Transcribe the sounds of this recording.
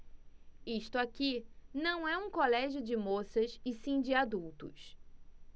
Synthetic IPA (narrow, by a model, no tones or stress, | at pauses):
iʃt̪ʊakinɐ̃w̃ɛũkolɛʒjʊd͡ʒɪmosɐsɪsĩd͡ʒɪad̪uwt̪ʊ̰s